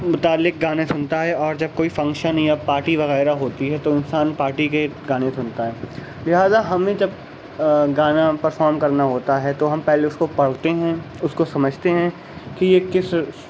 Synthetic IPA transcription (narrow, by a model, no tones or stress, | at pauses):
mʊt̪aːlːɪk̚ɡaːnesʊnt̪aɦɛʔɔːɾd͡ʒɐb̚koːifɐ̃ŋkʃənijapaːɾʈiʋɐɣɛːɾaɦoːt̪iɦɛt̪oɪnsaːnpaːɾʈikeɡaːnesʊnt̪aɦɛː | lɪɦaːzaɦɐmẽd͡ʒɐb̚ | ɡaːnapɐɾfɔːɾmkɐɾnaɦoːt̪aɦɛt̪oɦɐmpɛɦleʊskopɐɽ̤t̪eɦɛ̃ | ʊskosɐməd͡ʒʱt̪eɦɛ̃ | kijekɪs